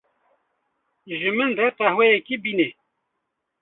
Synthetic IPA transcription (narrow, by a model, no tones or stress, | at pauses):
ʒɨmɨndɛqɛhwɛjɛkibine